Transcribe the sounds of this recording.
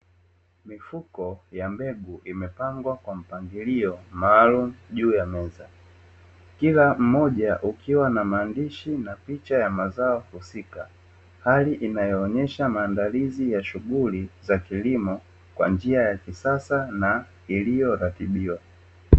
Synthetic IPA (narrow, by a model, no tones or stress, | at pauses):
mifukɔjambɛɡuʔimɛpaŋɡwakwam̩paŋɡiliɔmaːlum̩ʄuːjamɛza | kilam̩mɔʄaʔukʰiwanamaːndiʃinapit͡ʃajamazaɔhusika | haliʔinajɔːɲɛʃamaːndalizijaʃuɡulizakilimɔ | kwa̰nd͡ʒiajakisasana | ilijɔɾatiɓiwa